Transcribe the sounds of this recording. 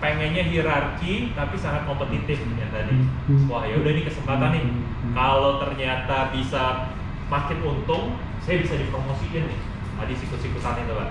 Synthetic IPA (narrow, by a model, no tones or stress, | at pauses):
peŋɛnɲaɦiɾarkit̪apisaŋat̪̚kompət̪it̪ɪfjat̪adisəmuahjaudahinikəsəmpat̪anɪh | kalot̪ərɲat̪abisa | mak̪ɪt̪unt̪ʊŋ | sajabisadipɾomosid͡ʒanɪh | adisik̪usikusanɪŋt̪uba̰